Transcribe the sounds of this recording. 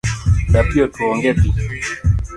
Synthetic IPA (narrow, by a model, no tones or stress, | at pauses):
ɗapiɔtuɔŋɡɛpi